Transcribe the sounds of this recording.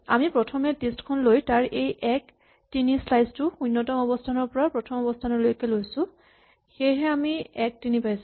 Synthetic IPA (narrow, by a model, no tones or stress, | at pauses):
a̰mipɹɔtʰɔmɛtestkʰɔnlojtaɹʔejʔɛk | tinislajztʊunːɔtɔmɔbɔstʰanɔɹpɔɹapɹɔtʰɔmɔbɔstʰanɔlojkɛlojsʊ̃ | xejɦɛamiɛk̚tinipajs